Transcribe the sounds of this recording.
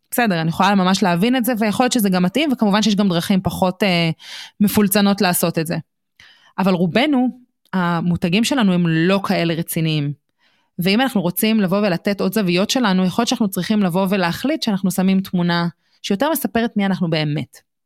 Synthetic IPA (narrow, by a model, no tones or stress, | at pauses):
besedeʁanijeχolalmamaʃleavinetzevejaχojo̞t̪t͡ʃʃezeɡamːatʔimvekamuvanʃejeʃɡamdʁaχimpaχo̞temefult͡sano̞tlaːso̞tetze̞ | ʔavalʁube̞nu | amutaɡimʃe̞lanuemlo̞kʰae̞le̞ʁet͡siniim | veimanaχnuʁo̞t͡simlavo̞ve̞lateto̞dzavijo̞tʃe̞lanujexoljotʃanaχnut͡sʁiχimlavo̞ve̞leːχlitʃeanaχnusamimtmuna | ʃejote̞ʁmesape̞ʁetmianaχnube̞ːme̞t